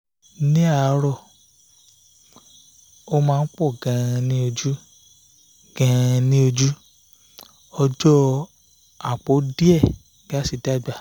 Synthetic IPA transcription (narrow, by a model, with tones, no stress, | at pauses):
nĩ˦a˦˨˧ɾɔ˦˨ | o˦mãː˦˧n̩˦k͡pɔ˦˨ɡã˨˧nĩ˦o˧d͡ʒu˦ | ɡ̥ã˨˧ã˧nĩ˦o˧d͡ʒu˦ | ɔ˧d͡ʒɔ˦ | a˨k͡po˨˦di˦ɛ˦˨ | ɡ̥a˦˨si˨ti˦a˦˨ɡ͡ba˨